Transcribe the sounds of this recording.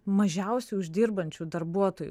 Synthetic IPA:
mɐʒʲɛʊsʲuʊʒʲd̪ʲɪɾbɐnʲt͡ʃʲuːd̪ɐɾbuɔt̪oːjṵ

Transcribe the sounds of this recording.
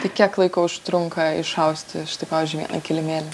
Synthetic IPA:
t̪ɐɪkʲiɛklˠɐɪkoʊʊʃt̪ɾʊŋkɐɪʃɐʊsʲt̪ʲɪɪʃt̪ɐɪpɑːʋʲizʲd͡ʒʲyʋʲiɛ̰nɐ̰kʲɪlʲɪmʲeːlʲɛ

